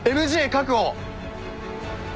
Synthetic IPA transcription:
emɯ̟ʑiːkak̬ɯo

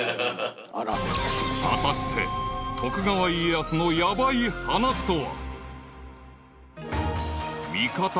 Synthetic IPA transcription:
ɾa | a̰t̪aɕi̥t̪ʰe̞t̪ʰo̞kɯ̟ɡaβaieasono̞jabaihanaɕi̥t̪oβa̰ | mʲikat̪

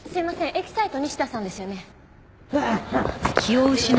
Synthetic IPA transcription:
sɨɾimasẽ̞ʔe̞ki̥sait̪o̞ɲ̟iɕi̥d̪asãnd̪e̞sɨjo̞ne̞ | βaakʲʰioɯ̟ɕin

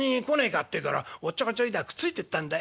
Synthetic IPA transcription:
ɲikoneikat̪ːekaɾa̰ot͡ɕːakat͡ɕoid̪akɯ̥t͡sɨit̪e̞t̪ːãnd̪a

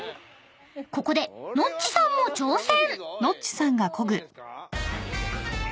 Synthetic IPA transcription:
ko̞ko̞d̪e̞no̞t͡ɕt͡ɕːi̥sãmːo̞t͡ɕo̞ːsẽɴno̞t͡ɕt͡ɕːi̥sãŋɡakʰo̞ɡɯ̟

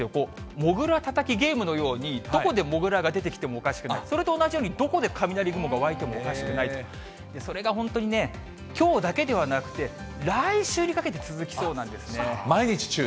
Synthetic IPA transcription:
joko̞ːmo̞ɡɯ̟ɾat̪at̪akʲiɡe̞ːmɯ̟no̞jo̞ːɲ̟id̪o̞ko̞d̪e̞mo̞ɡɯ̟ɾaɡad̪e̞t̪e̞kʲt̪e̞mo̞ːkaɕi̥kɯ̟a̰iso̞ɾe̞t̪o̞ːnaʑijoːɲ̟id̪o̞ko̞d̪e̞kʰamʲinaɾʲiɡɯ̟moɡaoβait̪e̞mo̞okaɕi̥kɯ̟nait̪o̞ | d̪e̞so̞ɾe̞ɡaɦõ̞nt̪o̞ɲ̟ine̞ | kʲo̞ːd̪ake̞d̪e̞β̞anakɯ̟̥t̪e̞ | ɾaiɕɨːɲ̟ikake̞t̪̬e̞t͡sɨzɨkʲi̥sso̞ːnãnd̪e̞sɨne̞maiɲit͡ɕi̥t͡ɕɨ

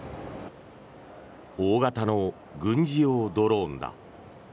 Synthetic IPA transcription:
oːɡat̪ano | ɡɯ̟̃ɲ̟d͡ʑiod̪oɾo̞ːnd̪a̰

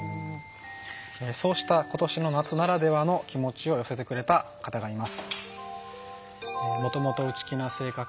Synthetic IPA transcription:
eso̞ːɕi̥t̪ako̞t̪o̞ɕino̞nat͡sɨnaɾad̪e̞βano̞kʲimo̞t͡ɕio̞jo̞se̞t̪e̞kɯ̟ɾe̞t̪akat̪aɡaimasɨ̥ | emo̞t̪o̞mot̪o̞ɯ̟t͡ɕi̥kʲinase̞ːka

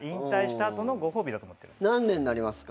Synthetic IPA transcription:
ĩnt̪aiɕi̥t̪aːt̪o̞no̞ɡo̞ɦo̞ːbʲid̪at̪oːmot̪ːe̞ɾɯ̰nãnːẽ̞nːaɾʲimasɨ̥k

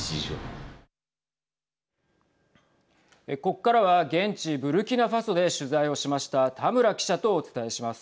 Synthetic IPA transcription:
io | eko̞kːaɾaβaɡẽ̞ɲt͡ɕibɯ̟ɾɯ̟kʲinaɸaso̞d̪e̞ɕɨzaio̞ɕimaɕi̥t̪at̪ʰamɯ̟ɾakʲi̥ɕat̪o̞ːt͡sɨ̥t̪ae̞ɕimasɨ̥

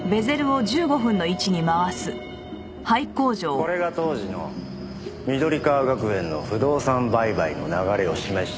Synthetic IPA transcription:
be̞ze̞ɾɯ̟o̞ʑɨːɡo̞ɸɯ̟̃nːo̞it͡ɕiɲ̟imaβasɨ | haiko̞ːʑo̞ːko̞ɾe̞ɡat̪o̞ːʑino̞̰ | mʲid̪o̞ɾʲikaɡakɯ̟ẽ̞nːo̞̰ɸɯ̟d̪o̞ːsãmbaibaino̞̰naɡaɾe̞o̞ɕimaɕi̥t̪

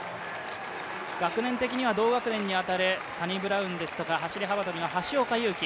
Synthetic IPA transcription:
ɡ̥akɯ̟nẽ̞nt̪e̞kʲiɲ̟iβad̪o̞ːɡakɯnẽ̞ɲ̟ːiat̪aɾe̞saɲ̟ibɯ̟ɾaɯ̟̃nd̪e̞sɨ̥t̪o̞kaɦaɕiɾʲiɦabat̪o̞mʲinaɦaɕio̞ːkajɯ̟ːkʲi

